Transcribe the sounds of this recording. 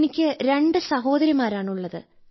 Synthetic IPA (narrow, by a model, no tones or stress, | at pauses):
nikʲːɨɾe̞ɳɖɨsɐɦo̞ːd̪ɐɾjɐmaːɾaːɳuɭːɐðɨ̰